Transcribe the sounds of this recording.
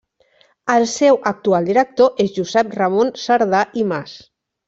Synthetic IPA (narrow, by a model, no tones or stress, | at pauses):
əlˠsɛwʔək̚t̪ualˠd̪iɾək̚t̪oʔezʒuzɛp̚rəmonsaɾðaʔimas